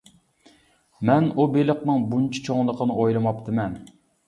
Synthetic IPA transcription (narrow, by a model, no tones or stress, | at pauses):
mɛnubeləqnɨŋbunt͡ʃʰi̥t͡ʃʰoŋlˠəqʰənɨojlˠɨmɑpt̪ʰɨmɛn